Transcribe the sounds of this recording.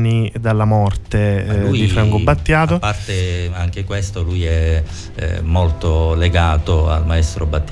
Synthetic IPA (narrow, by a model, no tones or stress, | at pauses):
nid̪alːamɔrt̪ed̪ifɾaŋkobat̪ːjaːt̪opːart̪eaŋk̟ekwest̪olujɛ | molt̪oleɡaːt̪oa̰lmaɛst̪ɾobat̪ː